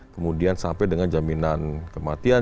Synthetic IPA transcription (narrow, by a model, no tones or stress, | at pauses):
kəmudiansampɛdəŋand͡ʒaminankəmat̪ia